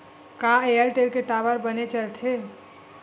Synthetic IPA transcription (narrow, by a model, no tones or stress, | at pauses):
kaejəlʈeɾkeʈaʋəɾbənet͡ʃəlt̪ʰe